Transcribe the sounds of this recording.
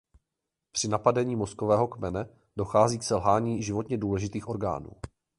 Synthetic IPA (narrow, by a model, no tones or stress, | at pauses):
pr̥ɪnapadɛɲiːmo̞skovɛːɦo̞kmɛnɛ | do̞xaːziːksɛlɦaːɲiːʒɪvo̞t̪ɲɛduːlɛʒɪt̪iːxʔo̞ɾɡa̰ːnṵː